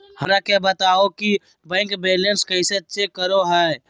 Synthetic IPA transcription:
həɾakabət̪aːoki | bɛ̃ːŋkbeːlənskəɪsetːʃekːəɾoɦɛː

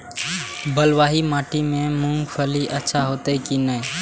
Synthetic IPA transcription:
bəlwaːɦimaːʈimẽmũŋɡpʰəliʔətːʃʰaɦoːt̪ekinəe

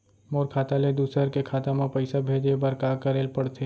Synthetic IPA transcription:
moːɾkʰaːt̪aled̪uːsɾəɾkekʰaːt̪amãpɐɪsabʱeːd͡ʒebɐɾkaːkəɾeːlpəɽt̪ʰe

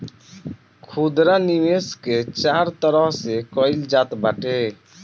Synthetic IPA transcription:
kʰud̪ɾanimesket͡ʃaːɾt̪əɾəɦsekɔɪld͡ʒaːt̪baʈe

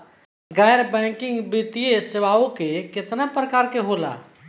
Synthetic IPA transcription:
ɡɛːjɾbɛ̃ːkɪ̃ŋɡbiːt̪ijesɪʋaːõkekɪt̪napɾəkaːɾkeɦoːla̰ː

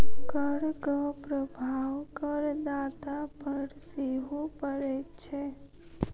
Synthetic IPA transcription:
kəɽɡəpɾəbʱaʋkəɾd̪at̪apəɾseɦupəɾet͡ʃʰe

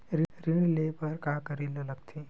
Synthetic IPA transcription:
ɾɪɾɪnlepɐɾkaːkəɾillɐɡ̚t̪ʰi

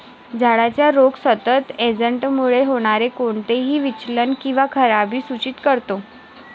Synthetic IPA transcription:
d͡zʱaɽat͡ɕjaɾoɡsət̪ət̪ed͡zəɳʈmuɭeɦoɽ̃aɾekoɳt̪eɦiːʋit͡ɕlənkĩw̃ʋakʰəɾabʱiːsut͡ɕit̪kəɾt̪o

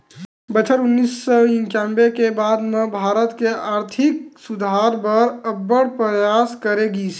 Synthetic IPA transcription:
bət͡ʃʰəɾʊnːisːɔɪ̃ŋkambekebaːd̪mebʱaːɾət̪keaːɾt̪ʰɪk̚sʊd̪ʱaɾbəɾəbːəɽpɾəjaskəɾeɡi

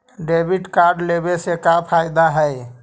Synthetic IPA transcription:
ɖebʱiʈkaɾɖlebesekapʰajd̪aɦəj

